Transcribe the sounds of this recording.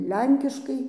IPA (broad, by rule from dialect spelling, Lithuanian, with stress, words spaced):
ˈlʲɛŋʲkʲɪʃkɐɪ